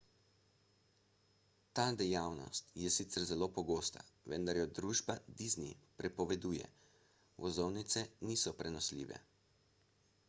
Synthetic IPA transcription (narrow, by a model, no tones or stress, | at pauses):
t̪aːd̪ɛjaːwnɔ̰st̪jɛsit̪sɛɾzɛloːpɔɡoːst̪a̰ʋɛ̰nd̪aɾjɔd̪ɾuːʒbad̪iznḭpɾɛpɔʋɛd̪uːjɛ̰ | ʋɔzɔwnit̪sɛniːsɔpɾɛnɔslḭːʋɛ̰